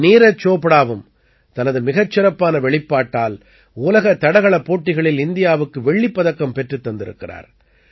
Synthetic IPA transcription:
niːɾɐt͡ʃːoːpːɐɽaːʋɯm | t̪ɐnɐðɯmɪɣɐt͡ʃːɪɾɐpːaːnɐʋɛɭɪpːaːʈːaːl | uːlɐɣɐt̪ːɐɽɐɣɐɭɐpːoːʈːɪɣɐɭɪlɪnd̪ɪjaːʋɯkːɯʋɛɭːɪpːɐðɐkːɐmpɛʈrɯt̪ːɐnd̪ɪɾɯ̰kːɪra̰ːɾ

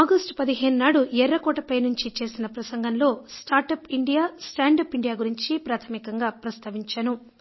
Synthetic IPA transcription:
aːɡɐsʈpɐd̪iɦe̞ːnunaːɽuʔɛɾːɐkɔːʈɐpɐjnuɲt͡ʃit͡ʃe̞ːsinɐpɾɐsɐŋɡɐnlo̞ːsʈaːɾʈɐpiɳɖijaːsʈaːɳɖɐpiɳɖijaːɡuɾiɲt͡ʃipɾaːt̪ʰɐmikɐŋɡaːpɾɐst̪ʰɐʋiɲt͡ʃanu

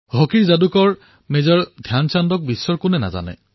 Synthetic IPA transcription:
ɦokiɹzadukɔɹ | mezɔɹdʱjansandɔk̚bisːɔɹkʊnɛna̰za̰nɛ̰

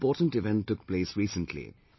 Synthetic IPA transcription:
pɔːʈə̃nʈɪʋɛ̃ntːʊkpleːsɹiːsə̃ntʰlḭ

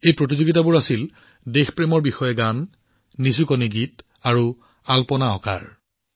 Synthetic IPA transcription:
ejpɹot̬izoɡitabuɹasil | dexpɹemɔɹbixɔjɛɡanː | isukɔniɡit | aɹu | alpɔnaɔ̰ka̰ɹ

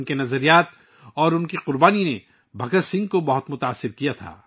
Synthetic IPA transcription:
nkenɐzəɾijaːt̪ | ɔːɾʊnkiqʊɾbaːnine | bʱɐkəɾsɪ̃ŋɡ̚kobɐɦʊt̪mʊt̪aːsːɪɾkijat̪ʰa̰ː

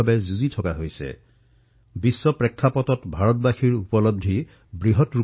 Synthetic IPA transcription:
abɛzuzitʰɔkaɦojsɛ̰ | bisːɔpɹɛkʰːapɔtɔtbʱaɹɔtbaxiɹupɔlɔb̚dʱi | bɹiɦɔtɹu

